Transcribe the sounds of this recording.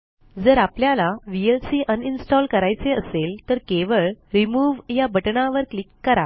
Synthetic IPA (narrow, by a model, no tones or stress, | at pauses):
d͡zəɾapljalaʋielsiːʔəninsʈɔlkəɾajt͡seəselt̪əɾkeʋəɭɾimuʋjabʱəʈɳaʋəɾklikːəɾa